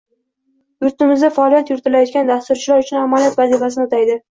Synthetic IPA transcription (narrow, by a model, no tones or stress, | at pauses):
ʊɾt̪ɪmɪzd̪afaɒːlˠijat̪jʊɾɪt̪ɪlajɒt̪̚ɡʲand̪ast̪ʊɾt͡ʃʰɪlaɾʊt͡ʃʰʊnamaljat̪vazifas̬ɪnɪʊt̪ʰajd̪ɪ